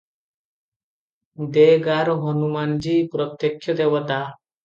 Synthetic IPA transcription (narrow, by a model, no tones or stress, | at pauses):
d̪eɡaɾɔɦɔnumand͡ʒipɾɔt̪jekʰːjɔd̪ewɔt̪a